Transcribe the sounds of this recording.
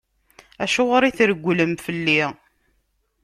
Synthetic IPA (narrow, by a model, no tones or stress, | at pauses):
æʃʊʁəɾˤiθɾəɡʷːləmfəlːi